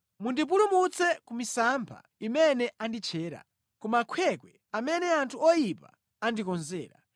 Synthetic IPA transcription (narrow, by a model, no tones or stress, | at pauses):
mundip̬ulumut͡sɛkumisampʰa̰ | imɛnɛʔandit͡ʃʰɛːɾa̰ | kɔmakʰwɛkwɛ | amɛnɛantʰuɔjipa̰ | andikɔnzɛːɾa̰